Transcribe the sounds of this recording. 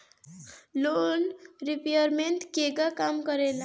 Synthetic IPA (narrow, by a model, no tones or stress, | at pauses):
lonripejʌrmenʈkeɡakamɡʌɾela